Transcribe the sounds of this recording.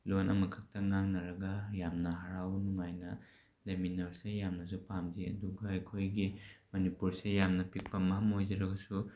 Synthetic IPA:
lonʔɐmɐkʰak̚tʰɐŋaŋnɐɾɐɡɐjamnɐɦaɾawnuŋajnɐ | leminɐɾsejamnɐs̬upamziɐ̰duɡɐːjkʰojɡimɐnipuɾsejamnɐpik̚pɐmɐɦɐmojd͡ʒɐɾɐɡɐsu

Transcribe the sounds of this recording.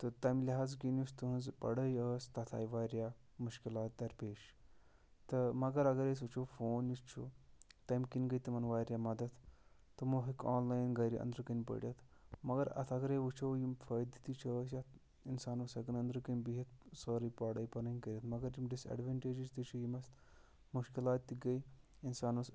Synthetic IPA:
t̪ət̪ajmlʲiɦaːzkinjust̪uɦə̃nzpɐ̰ɽəjəst̪ɐt̪ʰa̰jʋaːjɾja | muʃkilaːt̪̚d̪ɐɾpeːʃ | t̪ɐmɐɡəɾɐɡəɾes̬ut͡ʃʰufoːnjist͡ʃʰṵt̪ajmkinɡəjt̪imɐnʋaːjɾʲjamɐd̪ɐt̪ʰ | t̪ɐmoɦikɔːnlajnɡɐjɾḭʔɐ̰nd̪ɾəkənʲpə̰ɽʲjɐt̪ʰmɐɡɐɾɐ̰t̪ʰɐɡɐɾeʋut͡ʃʰojimfɐjd̪it̪it͡ʃʰɐs̬ʲat̪ʰ | insaːnusɐɡɐnɐnd̪ɾkɐnʲbiɦɐt̪̚soːɾipaɽɐjpɐɾnɐinʲkɐɾʲjɐt̪ʰmɐɡɐɾjimɖisɐ̰ɖʋɐɳʈeːd͡ʒid͡ʒt̪it͡ʃʰujimɐst̪ | muʃkilaːt̪ːiɡɐj | insaːnus

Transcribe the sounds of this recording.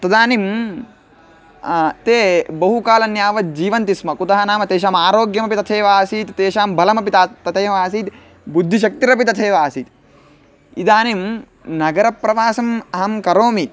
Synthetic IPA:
t̪ɐd̪aːnim | t̪eːbɐɦukaːlɐnjaːʋɐd͡ʒiːʋɐnt̪ismɐkut̪ɐɦɐnaːmɐt̪eːʃaːmaːɾoːɡjɐmɐpit̪ɐt̪ʰeːʋaːsiːt̪t̪eːʃaːmbʱɐlɐmɐpit̪at̪ɐt̪ʰeːmaːsiːt̪ | bud̪ʱːiʃ̬ɐk̚t̪iɾɐp̬it̪ɐt̪ʰeːʋaːsiːt̪ | id̪aːnim | nɐɡɐɾɐpːɾɐʋaːsɐmɐɦɐmkɐɾoːmit̪̚

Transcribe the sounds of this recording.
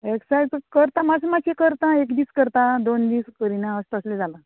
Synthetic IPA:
eksajd͡zkəɾt̪amasmakekəɾt̪ãekd̪iːskəɾt̪ãd̪ond̪iːskəɾinãəst̪əsled͡zala

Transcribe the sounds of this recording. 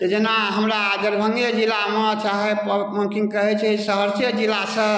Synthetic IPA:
t̪ɔd͡ʒenaɦəmɾaːɡəɾbʱəŋɡəd͡ʒilamet͡ʃaɦɛpməŋkiŋɡ̚kəɦɛt͡ʃʰɛsəɦəɾsijəd͡ʒilasə̃

